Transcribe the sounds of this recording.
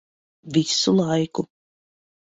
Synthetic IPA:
visulˠajku

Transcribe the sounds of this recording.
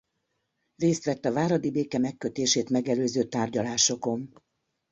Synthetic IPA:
reːst̪ʋɛt̪ːɒvaːɾɒd̪ibeːkɛmɛkːø̞t̪eːʃeːt̪mɛɡɛløːzøːt̪aːrɟɒlaːʃo̞ko̞n

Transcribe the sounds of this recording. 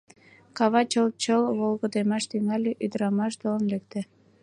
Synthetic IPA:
kɑβɑt͡ɕəlt͡ɕəlβolɣəd̪emɑʃt̪yŋælʲeʔyd̪əɾɑmɑʃt̪olənlek̚t̪e

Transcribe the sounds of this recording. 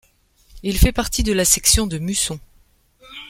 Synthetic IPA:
ilfɛpaʁt̪id̪əlasɛksjɔ̃d̪əmysɔ̃

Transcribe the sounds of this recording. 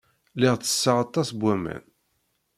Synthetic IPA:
lɪʁt͡sːə̥sːəʁɑt̪ˤːɑsbʷæmæ̰n

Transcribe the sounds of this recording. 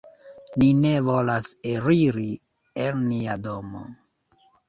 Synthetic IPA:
nine̞vo̞laseɾiɾi | elmiadomo̰

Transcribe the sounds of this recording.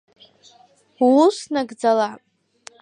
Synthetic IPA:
usnaɡd͡zala

